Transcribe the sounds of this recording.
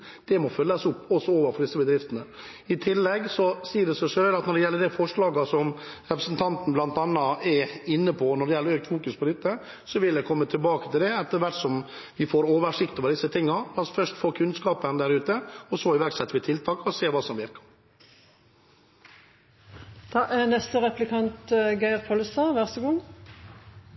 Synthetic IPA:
d̪̥ɛmɔfœlːɑsʊpːɔsɔoːʋəɾfɔɾɖ̪ɪsəbəd̪ɾɪft̪ənə | ɪt̪ʰɪlːɛɡsɔsiːəɖɛsɛʂøːlɑt̪nɔɖɛjɛlːəɖ̪ɛfɔʂɭɑːɡəsɔmɾɛpɾəsn̩t̪ʰɑnt̪n̩blɑnt̪ɑnːɑɛɪnːəpʰɔnɔɖɛjɛlːɾøːk̚t̪fuːkʉspʰɔd̪ɪt̪ːə | sɔʋɪld̪ɛkʰɔmːət̪ʰɪlbɑːkə̥t̪ʰɪld̪ɛɛt̪ːəɾʋæʈsɔm | ʋɪfoːɾoːʋəʂɪkt̪oːʋəɖ̪ɪsːət̪ʰɪŋːɑlɑsfœʂʈ̪foːkʰʉnskɑːpənd̪æːɾʉːt̪əɔsɔɪʋæɾɡsɛt̪ːəɾʋɪt̪ʰɪlt̪ʰɑːkɔseːʋɑːsɔmʋɪɾkɑ̥ɾ | d̪̥ɑːʔænɛst̪əʁɛplɪkʰɑnt̪ɡæɪɑʁt̪pʰɔlsɑʋæʁsəɡʊŋ

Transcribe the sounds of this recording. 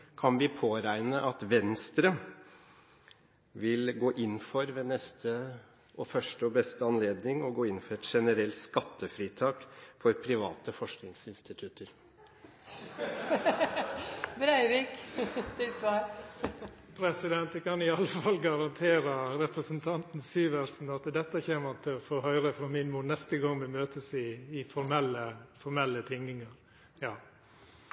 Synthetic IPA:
kʰɑnʋɪpʰoːɾæɪnəʔɑt̪ʋɛnst̪ɾə | ʋɪlɡoːʔɪnːfɔɾʋeːnɛst̪ʰə | ʔɔfœʂʈəɔbɛst̪əɑnleːd̪nɪŋɔɡoːɪnfɔɾɛt̪ʂɛnəɾɛlt̪skɑt̪ʰːəfɾiːt̪ʰɑːkfɔɾpʰɾɪʋɑ̰ːt̪əfɔʂknɪŋsɪnst̪ɪt̪ʰʉt̪əɾ | bɾæɪʋiːkt̪ɪlsʋɑːɾ | pʰɾɛsɪd̪ɛnt̪ɛkɑnɪɑlːəfɑlːɡɑɾɑnt̪ʰeːɾəɾɛpɾəsənt̪ʰɑnt̪nsyːʋæɾsn̩ɑt̪d̪ɛt̪ːəçeːmət̪ʰɪlɔfoːɦœʏɾəfɾɑmɪnmuːnɛst̪əɡɑŋmɛmøːt̪əsɪːfɔɾmɛlːəfɔɾmɛlːət̪ʰɪŋɪŋəɾ | jɑː

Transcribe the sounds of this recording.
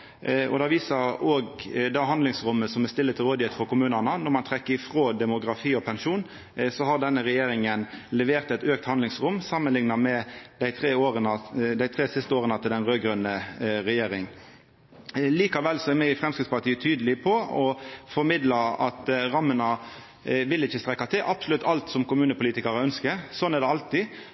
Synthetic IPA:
ɔ̰d̪ɑːʋiːsəɾoːɡd̪ɑɦɑnd̪lɪŋsɾʊmːəsɔmæst̪ɪlːət̪ʰɪlʁoːd̪əɪɛt̪fɔɾkʊmʉːnɑnənɔʁmɑnt̪ʰɾɛkːəɪfʁoːd̪ɛmʊɡɾɑfiːɔpʰɛnʃuːn | sɔhɑʁd̪ɛnːəɾɛjeːɾɪŋənlɛʋeːʁt̪ɛɪt̪øːk̚t̪hɑnd̪ɪŋsɾʊmsɑmːənlɪŋnɑmɛd̪æɪt̪ʰɾeːoːɾənəd̪æɪt̪ʰɾeːsɪst̪əoːʁənɑt̪ʰɪld̪ɛnʁøːɡɾœnəɾɛjeːɾɪŋ | liːkɑʋɛlsɔæɾmɛɪfʁɛmskʁɪt̪spɑʁt̪iːət̪ʰyːd̪əlɪpʰɔɔfɔɾmɪd̪lɑɑ̰t̪ɾɑmːənə | ʋɪlɪçːəst̪ɾɛkːɑt̪ʰɪlʔɑb̥sʊlʉt̪ʰːɑlt̪sɔmkʊmʉːnəpʊliːt̪ɪkɑɾəœnskəsɔnæʁd̪ɛɑlt̪ɪ

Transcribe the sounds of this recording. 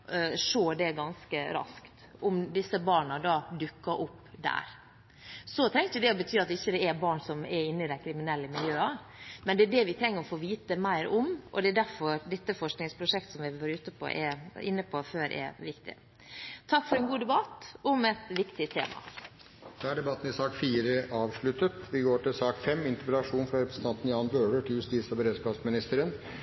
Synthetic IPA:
ʂoːɖ̪ɛɡɑnskəɾɑ̰skt̪ʔʊmd̪ɪsəbɑːɳɑd̪ɑːd̪ʉkːɑʔʊpːd̪æ̰ːɾ | sɔt̪ʰɾɛŋk̪əd̪ɛɔbət̪ʰyːɑt̪ːɪçːəd̪ɛɛbɑːɳsɔmɛɾɪnːəɪd̪æɪkʰɾɪmɪnɛlːəmɪljøːɑ | mɛnd̪ɛæɖɛʋɪt̪ʰɾɛŋːəɾɔfoːʋiːt̪əmæɪɾʊmʔɔ̰d̪ɛæɖæɾfɔɾd̪ɛt̪ːəfɔʂknɪŋspʰɾʊʂɛk̚t̪ə̥sɔmʋɪʋɑːɾʉːt̪əpʰo̰ʔɛ̰ɾɪ̰nːəpʰɔføːɾʔɛ̰ʋɪkt̪ɪ̰ | t̪ʰɑkːfɔɾɛnɡuːd̪ɛbɑt̪ʊmɛt̪ʋɪkt̪ɪt̪ʰḛːmɑ̰ | d̪̥ɑːæɖɛbɑt̪ːn̩ɪsɑːkfiːɾəʔɑːʋʂɭʉt̪ət̪ʋɪɡoːʈɪlsɑːkfɛmɪnt̪əpɛlɑʂuːnfɾɑɾɛpɾəsət̪ʰɑnt̪n̩jɑːnbøːɖəʈɪljʉst̪iːsɔbəɾeːd̪skɑːpsmɪnɪst̪əɾən

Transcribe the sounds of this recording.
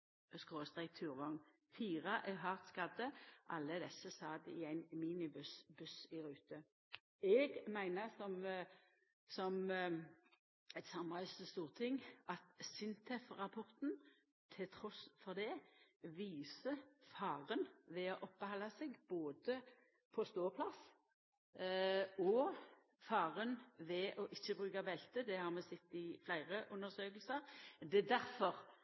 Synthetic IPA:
skʁoːst̪ʁɛk̚t̪ʰʉːʁʋɔŋ | fiːʁɑʔɛɦɑʁt̪skɑd̪əʔɑ̰lːəd̪ɛsːəsɑːd̪ɪæɪnmiːnɪbʉsbʉsɪʁʉːt̪ə | ɛɡmæɪnəsɔm | sɔm | æɪt̪sɑmʁæʏssəst̪uːʁt̪ʰɪŋːʔɑt̪sɪnt̪ʰɛfʁɑpʰɔʁt̪n | t̪ʰɪlt̪ʰʁɔsfɔʁd̪ɛʋiːsəfɑːʁənʋɛɔʔɔpːəhɑlːɑsɛɡb̥oːd̪ə | pʰɔst̪oːpʰlɑs | ɔ | fɑːʁənʋɛʔɔʔɪçːəbʁʉːɡɑʋɛlt̪əd̪ɛhɑʁmɛsɛt̪ːɪflæɪʁəʔʊnːəʁsøːkəlsəʁd̪ɛd̪æɾfɔʁ

